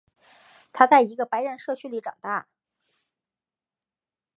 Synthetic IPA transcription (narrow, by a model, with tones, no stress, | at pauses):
t̪ʰa˥t͡sa˥˩ɪi˧˥ɡə˧pa˧˥ɪɻə˧˥nʂɤ˥˧t͡ɕʰy˥˧li˧˥ʈ͡ʂɑ˨˩ŋt̪a˥˩